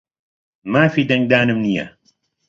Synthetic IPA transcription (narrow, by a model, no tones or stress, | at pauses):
maːfiːd̪ɐŋɡ̚d̪aːnɨmnijɐ̰